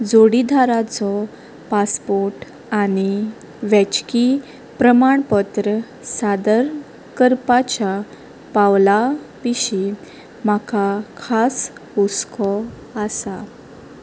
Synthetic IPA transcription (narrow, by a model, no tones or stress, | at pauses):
d͡zoɽid̪ʱaɾat͡sɔ | paspoɾʈ | añi | ʋɛ̃t͡ɕki | pɾəmaɳpət̪ɾə | sad̪əɾ | kəɾpat͡ɕja | pawlapiɕi | m̤akʰakʰasuskʰɔ | asa